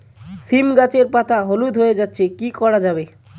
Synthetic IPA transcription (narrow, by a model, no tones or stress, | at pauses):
simɡat͡ɕeɾpat̪ʰaɦolud̪ʱɦoed͡ʑatːɕʰekikɔɾad͡ʑabe